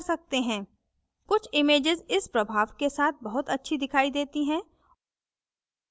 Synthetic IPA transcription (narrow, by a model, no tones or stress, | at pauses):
sɐk̚t̪eɦɛ̃ː | kʊt͡ʃʰɪmeːd͡ʒɪzɪspɾɐbʱaːʋkesaːt̪̚ʰbɐɦʊt̪ɐtːʃʰid̪ɪkʰaːid̪eːt̪iɦɛ̃ː